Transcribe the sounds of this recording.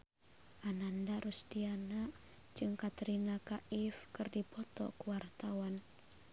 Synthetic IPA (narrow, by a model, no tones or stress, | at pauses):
ʔanandaɾusd̥ianaʔ | d͡ʒɨŋkat̪ɾinakaʔɪfkərdipɔt̪ɔ̰kuwart̪awan